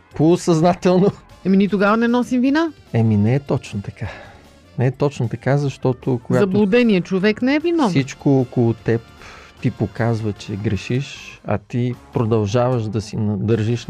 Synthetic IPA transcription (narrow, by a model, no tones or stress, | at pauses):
posɐznat̪ɛlˠnoɛminit̪oɡavɐnɛnɔsimvina | ɛminɛɛt̪ɔt͡ʃnot̪ɐka | nɛɛt̪ɔt͡ʃnot̪ɐkazɐʃt̪ɔt̪okoɡaɐtb̪lˠʊd̪ɛniɛt͡ʃovɛknɛɛvinɔsit͡ʃkoɔkolˠʊt̪ɛpt̪ipokazvət͡ʃɛɡɾɛʃiʃɐ̰t̪ipɾod̪ɐlˠʒavəʃd̪ɐsinɐd̪ɤɾʒiʃ